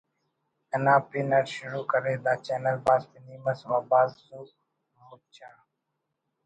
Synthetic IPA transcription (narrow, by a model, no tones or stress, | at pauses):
ənãːpɪnəɾʃʊɾuːkəɾeːd̪aːt͡ʃeːnəlbaːspɪniːməsʋaːbaːzsuː | mʊt͡ʃʰaː